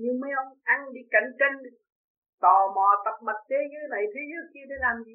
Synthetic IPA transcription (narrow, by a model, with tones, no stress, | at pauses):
ɲɨ˧ŋmə˨˦jʔə˧wŋ͡mʔa˧ŋɗi˧ka˧˩jŋt͡ɕe˧n | t̪ɔ˨˩mɔ˨˩t̪ə˨˩k͡p̚ma˨˩t̚t͡ɕe˨˦ɨ˧˦na˨˩jt̪ʰi˨˦zɨ˨˦˥əki˧ət̪ʰe˨˦laː˨˩mzi˨˧˦